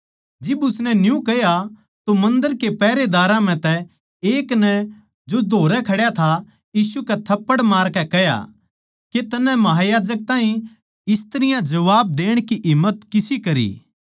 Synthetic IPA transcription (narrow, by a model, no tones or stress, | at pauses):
d͡ʒɪbʊsnɛnjũkɛja | t̪omɐ̃nd̪əɾkepɛːɾed̪aːɾãm̤ɛ̃t̪ɛ | eːknɛ | d͡ʒod̪ʱoːɾɛkʰɐɽjat̪ʰa | jiːsukɛt̪ʰɐpːəɽmaːɾkɛkɛja̰ | ket̪ɐnɛ̃mɐɦajaːd͡ʒək̚t̪ãːɦĩ | ɪst̪əɾɪjãd͡ʒɐʋaːb̚d̪eːɽ̃kiʔɪmːət̪kɪsikɐɾḭː